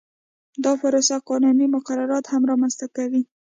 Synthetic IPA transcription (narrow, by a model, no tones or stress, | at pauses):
d̪ɑpəɾosaqɑnunimʊqaɾaɾɑt̪hamɾɑmanst̪akawi